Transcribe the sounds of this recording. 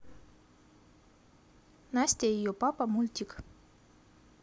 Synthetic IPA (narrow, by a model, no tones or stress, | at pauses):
nasʲt̪ʲeijopɑpamulʲt̪ʲik